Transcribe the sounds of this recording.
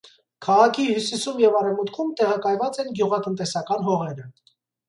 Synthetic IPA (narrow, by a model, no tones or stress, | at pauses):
kʰɑʁɑkʰihjusisumjɛvɑɾɛvmut̪kʰumt̪ɛʁɑkɑjvɑt͡sɛnɡjuʁɑt̪ənt̪ɛsɑkɑnɦɔʁɛɾə